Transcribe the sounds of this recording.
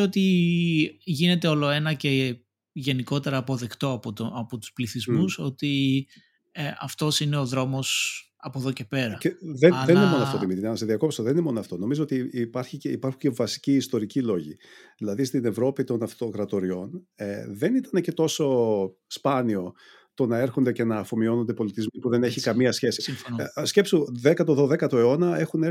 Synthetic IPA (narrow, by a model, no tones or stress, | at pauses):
ot̪i | ʝine̞t̪e̞o̞lo̞e̞nɐce̞ | ʝe̞niko̞t̪e̞ɾɐːpo̞ðe̞kt̪o̞ɐpot̪oɐpo̞t̪u̥spliθizmuso̞t̪i | ɐft̪o̞sine̞o̞ðɾo̞mo̞s | ɐpoðo̞ce̞pe̞ɾɐceðenenineo̞noɐft̪oðimit̪inɐnɐseðiɐko̞pst̪oðeninemo̞noɐft̪o̞no̞mizoot̪ipɐɾçiceipɐɾxuɲce̞vɐsi̥ciːst̪o̞ɾicilo̞ʝiðilɐðist̪ine̞vɾo̞pit̪o̞nɐft̪o̞kɾɐt̪o̞ɾio̞nðe̞nit̪ɐne̞ce̞t̪o̞so̞ | spɐnio̞ | t̪o̞nɐe̞ɾxo̞nd̪e̞ce̞nɐːfo̞mio̞no̞nd̪e̞po̞lit̪izmipuðe̞ne̞çikɐmiɐsçe̞sisce̞psuðekɐt̪oðoðe̞kɐt̪o̞e̞o̞nɐe̞xune